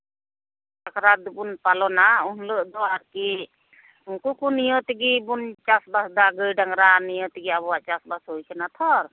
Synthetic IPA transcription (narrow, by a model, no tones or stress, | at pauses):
akʰɾad̪ubunpalɔnaunləʔd̪ɔaɾki | uŋkukunijɔt̪iɡibunt͡ʃasbasd̪aɡɯjɖaŋɾanijɔt̪iɡiabɔwaʔt͡ʃasbasɦojkʰanat̪ʰɔɾ